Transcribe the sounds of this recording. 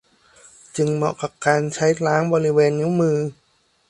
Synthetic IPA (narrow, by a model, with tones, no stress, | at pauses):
t͡ɕɯ˧ŋmɔ̰˨˩ka˨˩p̚kaː˧nt͡ɕʰa˦˥jɾaː˦˥ŋbɔː˧ɾi˦˥weː˧nːi˦˥wmɯː˧